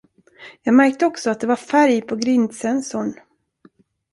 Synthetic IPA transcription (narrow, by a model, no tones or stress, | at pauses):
jɑːɡmæɾk̚t̪əɔksɔat̪̚d̪ɛvaɾfæɾjpʰɔɡɾɪnd̪sɛnsʊɳ